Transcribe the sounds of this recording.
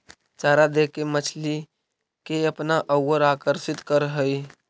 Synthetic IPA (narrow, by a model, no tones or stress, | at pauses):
t͡ʃaːɾad̪ekemət͡ʃʰli | keəpnaʔəwwəɾaːkəɾsɪt̪kəɾɦəi